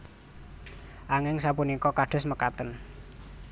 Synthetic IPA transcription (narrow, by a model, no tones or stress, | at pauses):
ʔaŋɪŋsapunikɔkaɖ̥ɔ̤sməkat̪ən